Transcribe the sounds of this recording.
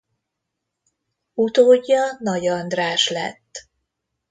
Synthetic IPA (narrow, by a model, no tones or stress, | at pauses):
ut̪oːɟːɒnɒɟɒnd̪raːʃlɛ̰t̪ː